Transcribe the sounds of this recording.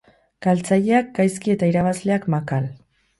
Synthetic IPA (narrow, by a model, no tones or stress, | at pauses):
kalt͡saʎe̞ak̚ɡajskie̞t̪aiɾaβazle̞akmakal